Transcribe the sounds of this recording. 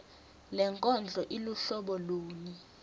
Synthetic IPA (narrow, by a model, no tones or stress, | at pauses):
lɛŋkʼɔnd͡ɮʱɔʔiluɬɔɓɔloːni